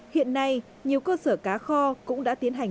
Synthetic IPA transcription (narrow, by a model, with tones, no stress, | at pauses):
hḭ˧˨ənːa˧j | ɲi˨˩əwkəː˧səː˧˩kaː˨˦xɔ˧kʊ̰˧˥ŋ͡mɗa̰ː˧˥t̪i˨˦ənɦa˨˩ŋ̟